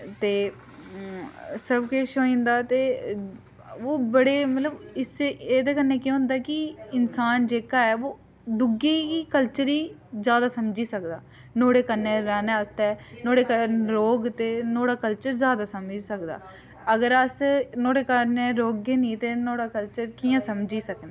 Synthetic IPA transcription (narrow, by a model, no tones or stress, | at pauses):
t̪eː | səbkeʃoːĩːnd̪aːt̪eː | oːbəɽeːmət̪ləbɪseeːd̪eːkənːeːkjõːɦʊ̃nd̪aːkɪɪnsaːnd͡ʒeːkaːɛːoː | d̪ʊɡeːiːkəlt͡ʃəɾiːzjaːd̪aːsəmd͡ʒiːsəkd̪a̰ː | noːɽeːkənːẽːɾɛːnaːəst̪ɛːnoːɽeːkəɾoːɡt̪eːnoːɽaːkəlt͡ʃəɾzjaːd̪aːsəmd͡ʒisəkd̪a̰ː | əɡəɾəsnoːɽeːkəneːɾoːɡːeːnĩːt̪eːnoːɽaːkəlt͡ʃəɾkiːãːsəmd͡ʒiːsəkneː